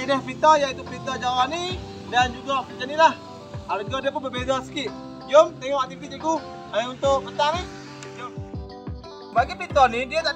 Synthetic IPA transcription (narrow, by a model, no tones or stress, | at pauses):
inahpɾit̪ɔjait̪upəɾit̪ɔd͡ʒawani | dand͡ʒuɡapəd͡ʒənilah | ald͡ʒuɡadiəp̬ʊnbərbezasə̥kiʔ | jʊmt̪eŋɔʔwaʔt̪ipid͡ʒiku | aunt̪ʊʔkət̪ani | jʊm | baɡipɾit̪ɔnidiat̪a